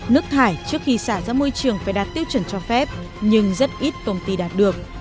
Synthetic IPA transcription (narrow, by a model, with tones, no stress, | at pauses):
nɨ˦˥ək̚t̪ʰaː˧˩jt͡ɕɨ˦˥ək̚xi˧saː˧˩za̰ː˧˥mo˧jt͡ɕɨ˨˩əŋfaː˧˩jɗaː˨˩t̚t̪i˧˦əwt͡ɕə˧˩nt͡ɕɔ˧fɛ˦˥p̚ | ɲɨ˧ŋzə˦˥t̚ʔi˦˥t̚kə˧wŋ͡mt̪i˧ɗaː˨˩t̚ɗɨ˨˩ək̚